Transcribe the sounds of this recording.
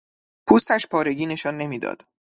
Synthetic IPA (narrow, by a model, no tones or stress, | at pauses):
pʰuːst̪æʃpʰɒːɾe̞ɡiːne̞ʃɒːnːe̞miːd̪ɒ̰ːd̪̥